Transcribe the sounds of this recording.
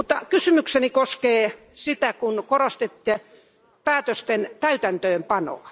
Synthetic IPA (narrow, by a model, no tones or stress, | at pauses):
mut̪ːɑkysymyksenikoskeː | sit̪ækunkorost̪et̪ːie | pæːt̪øst̪ent̪æyt̪ænt̪øːmpɑno̰ɑ